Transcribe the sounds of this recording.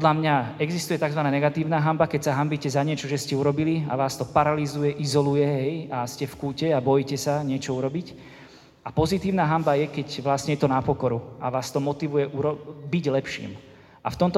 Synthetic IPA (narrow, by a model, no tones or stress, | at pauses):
pd̪lamɲaɛɡzist̪ujɛt̪aɡzʋanaːɲɛɡat̪iːʊnaːɦambakɛcsaɦambicɛzaɲɪɛt͡ʃɔʒɛscɛuɾɔbilia̰ʋaːst̪ɔpaɾalizujɛʔizɔlujɛɦɛjascɛfkuːcɛabɔjicɛsaɲɪɛt͡ʃɔuɾɔbic | apɔzit̪iːʊnaːɦambajɛkɛcʋlasɲɛjɛt̪ɔnapɔkɔɾuaʋaːst̪ɔmɔt̪iʋujɛʔuɾɔbiɟlɛpʃḭːm | a̰ft̪ɔmt̪ɔ